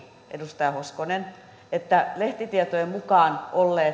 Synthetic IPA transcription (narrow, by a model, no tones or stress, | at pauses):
ʔḛdust̪ɑjɑhoskonen | et̪ːæleht̪it̪iet̪oemukɑːnʔolːeː